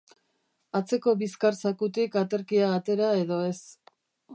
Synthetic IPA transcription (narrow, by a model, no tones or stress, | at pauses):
at͡se̞ko̞βiskaɾsakut̪ikat̪e̞ɾkiaːt̪e̞ɾae̞ðo̞e̞s